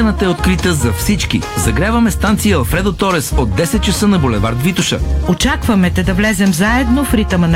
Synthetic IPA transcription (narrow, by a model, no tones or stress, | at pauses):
nət̪əɛot̪kɾit̪əzɐfsit͡ʃkḭzɐɡɾʲavɐmɛst̪ant̪sijəːlˠfɾɛd̪ot̪ɔɾɛsod̪̚ːɛsɛt̪̚t͡ʃɐsənɐbolɛva̰ɾt̪vit̪uʃə̰ot͡ʃakvɐmɛt̪ɛd̪ɐvlɛzɛmzaɛd̪nofɾit̪əmɐn